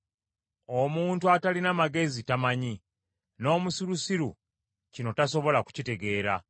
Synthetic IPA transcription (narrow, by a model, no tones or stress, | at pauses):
o̞muːntuatalinamaɡe̞zitamaɲi | no̞ːmusiɾusiɾṵ | cino̞taso̞βo̞laku̥cite̞ɡe̞ːɾa̰